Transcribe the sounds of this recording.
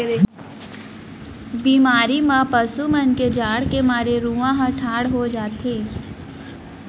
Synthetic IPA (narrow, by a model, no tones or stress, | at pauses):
biːmaːɾimãpəsumənked͡ʒaːɽkemaːɾeɾũːãɦãʈʰaːɽɦod͡ʒaːt̪eː